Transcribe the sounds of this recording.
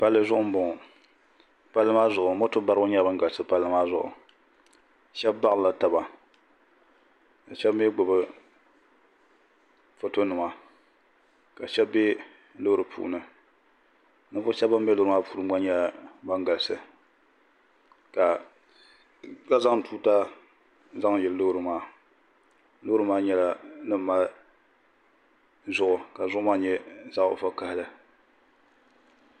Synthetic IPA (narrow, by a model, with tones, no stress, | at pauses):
pa˦lːɨ˦zʊ˦ʔʊ˦m˦bʊ˨ŋ˨ | pa˦lːɨ˦maː˦zʊ˨ʔʊ˨mo˦tʊ˦ba˦ɾɨ˦ɡʊ˦ɲɛ˦ba˦ŋ˦ɡa˨lsɨ˦pa˦lːɨ˦maː˦zʊ˨ʔʊ̰˨ | ʃɛ˦bba˦˨la˨ta˨ba˨ | ka˨ʃɛ˦bm˦e˦ɡ͡bʊ˨bɨ˦ | fo˦to˦nɨ˨ma˨ | ka˨ʃɛ˦bbe˦ | lo˦ɾɨ˨pʰṵː˦nɨ˨ | nɨ˦pʊ˦ʃɛ˦ba˦mbɛ˦lʊ˦ɾɨ˦maː˦pʰuː˦ɾɨ˦m˦a˦ɲɛ˦lba˦ŋɡa˨lsɨ˨ | ka˨ | ka˦za˦ŋ˦tʰuː˦ta˦ | za˦ŋjɛ˨lɨ˦lo˦ɾɨ˨maː˦˨ | lo˦ɾɨ˦maː˦ɲɛ˦la˦nɨ˦m˦ma˦ | zʊ˦ʔʊ˨ka˨zʊ˦ʔʊ˦maː˦ɲɛ˦za˦˨ʊ̰˨fa˦ka˦hɪ˦lɨ˨